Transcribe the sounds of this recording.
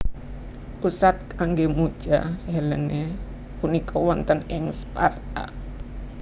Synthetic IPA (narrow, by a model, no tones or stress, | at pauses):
ʔusat̪̚kaŋɡemu̥d͡ʒ̥a̰hɛləne | punikɔwɔnt̪ənɪŋspart̪a̰